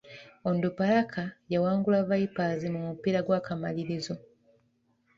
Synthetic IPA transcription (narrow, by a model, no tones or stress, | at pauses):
ondupalakʰajawaːŋɡulaβaipazimumupiɾaɡwaːkama̰liɾizo̞